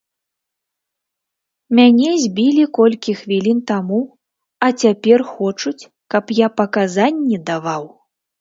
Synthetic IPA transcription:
mʲanʲɛzʲbʲilʲikɔlʲkʲixvʲilʲint̪amu | ɐt͡sʲapʲɛrxɔt͡ʂut͡sʲ | kɐpjapɐkazanʲːɛd̪avaw

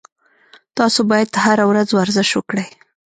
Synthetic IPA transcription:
t̪ɑsobɑjad̪haɾawɾazwaɾzɪʃwəkɽəj

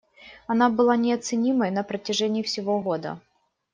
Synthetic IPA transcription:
ɐnabɨlˠanʲɪɐt̪sɨnʲiməjnəpɾətʲɪʐɛnʲɪːfsʲɪvoɣo̞d̪ə̰

